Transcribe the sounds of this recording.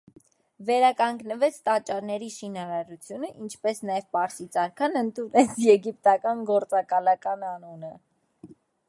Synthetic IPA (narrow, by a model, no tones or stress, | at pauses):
vɛɾɑkɑŋɡnəvɛt͡sʰt̪ɑt͡ʃːɑɾnɛɾiʃinɑɾɑɾut͡sʰjunəʔint͡ʃʰpɛsnɑjɛvpɑɾsit͡sɑɾkʰɑnənt̪unɛt͡sʰjɛɡip̚t̪ɑkɑnɡɔɾt͡sɑkɑlɑkɑnɑnunə